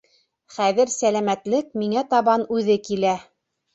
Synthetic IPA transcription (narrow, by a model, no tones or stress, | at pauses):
χæðɘɾsælæmæt̪lɘk̚miŋæt̪ɑβɑnʉðɘkilæ